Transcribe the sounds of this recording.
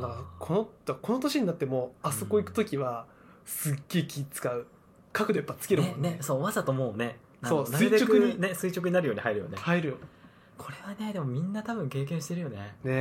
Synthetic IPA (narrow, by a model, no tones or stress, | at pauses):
nakʰo̞noko̞no̞t̪o̞ɕiɲ̟inat̪ːe̞mo̞aso̞ko̞ikɯ̟t̪o̞kʲiβa | sɨɡ̥ːe̞ikʲiːt͡sɨ̥kaɯ̟ | kakɯ̟t̪oipːat͡sɨ̥kʲe̞ɾɯmoneso̞ːβazat̪omo̞ːne̞ | asoːsaɨiet͡ɕo̞kɯɲine̞sɨit͡ɕokɯ̟ɲ̟inaɾɯjo̞ːɲ̟ihaiɾɯ̟jo̰nehaiɾɯ̟jo | kʰo̞ɾe̞βane̞d̪e̞mo̞mʲĩnːat̪abɯ̟̃ŋke̞ːk̬ẽ̞ɰ̃ɕi̥t̪e̞ɾɯ̟jo̞ne̞ne̞